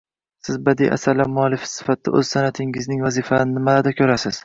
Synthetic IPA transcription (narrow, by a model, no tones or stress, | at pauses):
sɪzbad̪ḭjʔa̰saɾlamʊalːɪfɪ̥sɪ̥fat̪̚d̪a̰ɵ̰zsanat̪ʰɪŋɪznɪŋvazifannɪmad̪akʲʰɵɾasɪz̥